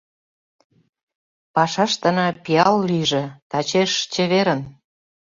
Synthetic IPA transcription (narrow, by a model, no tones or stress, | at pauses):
pɑʃɑʃt̪ə̆nɑpiɑlːiʒĕt̪ɑt͡ɕeʃt͡ɕeβeɾən